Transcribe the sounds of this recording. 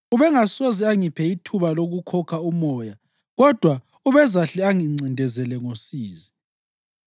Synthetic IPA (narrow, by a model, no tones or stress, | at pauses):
uβɛŋasoziaŋipʰɛitʰuβaloɣukʰɔkʰaumɔːja | ɣɔd̥ʱwa | uβɛzaɬɛaŋiŋ͡ǀʱindʱɛzɛlɛŋosiːzi